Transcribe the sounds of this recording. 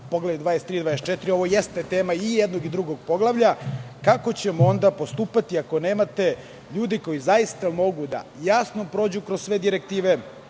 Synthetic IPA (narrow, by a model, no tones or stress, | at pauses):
poɡlaud̪ʋaːest̪ːɾiːd̪vaːest͡ʃet̪iɾio̞ʋo̞jest̪et̪eːmaijed̪noɡid̪ɾuɡo̞ɡ̚po̞ɡlˠaʋʎakako̞t͡ɕe̞moond̪apost̪uːpat̪iako̞ne̞ːmat̪e̞ | ʎuːd̪iko̞jizajist̪amo̞ɡud̪a̰jasno̞pɾo̞ːd͡ʑukɾossʋe̞d̪iɾekt̪iːʋe